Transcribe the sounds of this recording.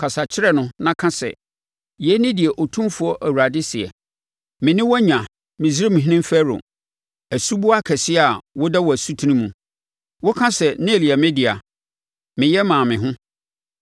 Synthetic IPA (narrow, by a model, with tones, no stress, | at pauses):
kʰa˨sa˨t͡ɕʰɪ˦ɾɛ˦nʊ̃˦nã˦kʰã˦sɛ̰˨ | jɛ˨˦nɪ̃˦dɪ˨ɛ˨ʔo˨tʰũ˦mfʊ˦ɔ˦ʔæ˨wu˨ɾa˨dɪ˦sɪ˨ɛ̰˨ | mɪ̃˨nɪ̃˦wɔ˦ɲã˨ | mɪ̃˨zɪ˦ɾɪ˦mɪ̃˨ɦĩ˦nɪ̃˦m˦fæ˦ɾʊ̰˨ | æ˨su˦bu˦a˦kʰɛ˨sɪ˦a˨wɔ˦dɛ˦wɔ˨æ˨su˦tʰi˦nĩ˦mũ˨ | wɔ˦kʰã˦sɛ˨nɪ̃˦e˨li˨ɛ˨mɪ̃˦dɪ˨a˨ | mɪ̃˨jɛ˦mãː˨mɪ̃˨ɦʊ̃˦